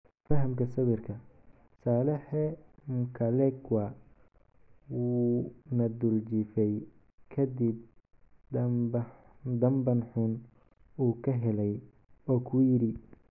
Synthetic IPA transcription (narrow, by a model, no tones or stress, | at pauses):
fɐɦɐmkʰɐsɐβɪrkʰɐ | saːlɛħɛmʊkʰɐlɛkwa | wuːnɐd̪ʊlt͡ʃɪfɛj | kʰɐd̪ib̪̚ | d̪ɐmbɐnħʊn | uːkʰɐɦɛlɛj | ɔːkʰujɪɾɪ